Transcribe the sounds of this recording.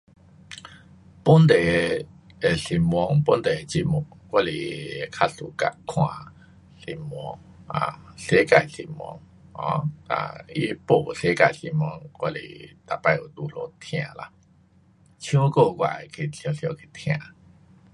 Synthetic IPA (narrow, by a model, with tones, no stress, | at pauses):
pu˦nt̪e˨ | e˨si˧˩mwɔ˧ŋpu˦nt̪e˨t͡ɕi˦mu˨˩kwa˦˧lḭ˨kʰa˦˥su˨˧ka̰˧kʰwã˧ | si˧˩mwɔ̰˧˦ŋ | a̰˨se˦ka˧˩˨sḭ˧˩mwɔ̰˧ŋ | hɔ̰̃˧˦a̰˨˩ḭ˧˦˧po˨˩˨se˦ka˧˩jsi˧˩mwɔ˧ŋkwa˧lḭ˨t̪a˨pa˧jo˨˩t̪u˧lo˧t̪ʰj̃ã˧˨la̰˧ | t͡ɕʰũ˦ko˥˧˨kwa̰˧˩e˨kʰi˧˨˩ɬʰjɔ̃˧ɬjɔ˧kʰi˧˩t̪ʰj̃ã˧˨